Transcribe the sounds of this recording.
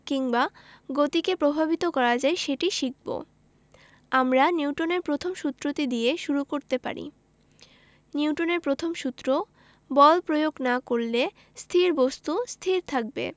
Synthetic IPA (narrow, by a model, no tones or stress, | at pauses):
kiŋbaɡot̪ikepɾobʱabit̪okɔɾad͡ʑaeʃeʈiʃik̚bo̰ | amɾaniwʈoneɾpɾot̪ʰomʃut̪ːɾot̪id̪ieʃuɾukoɾt̪epa̰ɾḭ | niwʈoneɾpɾot̪ʰomʃut̪ːɾo | bɔlpɾojoɡnakoɾle | st̪ʰiɾbost̪ust̪ʰiɾt̪ʰak̚bḛ